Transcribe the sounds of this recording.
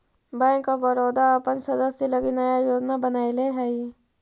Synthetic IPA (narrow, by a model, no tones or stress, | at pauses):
bɛ̃ːŋkːabəɾoːd̪aːpənsɐd̪əsjelɐɡinajajoːd͡ʒnabənaːileɦɛi